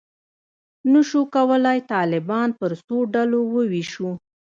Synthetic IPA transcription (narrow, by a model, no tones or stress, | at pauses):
nəʃokawəlajt̪ɑlɪbɑnpəɾsoɖalowəwiʃu